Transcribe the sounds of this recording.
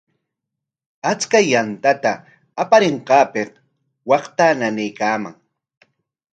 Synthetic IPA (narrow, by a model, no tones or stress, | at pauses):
at͡skajant̪at̪aː | paɾeɴqɑːpeq | wɑχt̪ananɪjkaːma̰ŋ